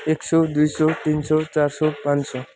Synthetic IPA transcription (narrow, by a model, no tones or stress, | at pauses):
eksɔd̪ujsɔt̪insɔt͡ʃaɾsɔpãnsɔ